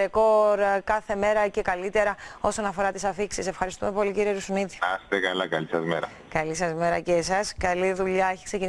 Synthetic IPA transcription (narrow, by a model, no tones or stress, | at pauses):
ekoɾkɐθe̞meɾɐce̞kɐlit̪e̞ɾɐo̞so̞nɐfo̞ɾɐt̪isɐfiksise̞fxɐɾist̪ume̞po̞liciɾieɾusuniði̥ɐst̪ekɐlɐkɐlisɐzmeɾɐ̰ | kɐlisɐzme̞ɾɐcesɐskɐliðuʎɐeçi̥kse̞cin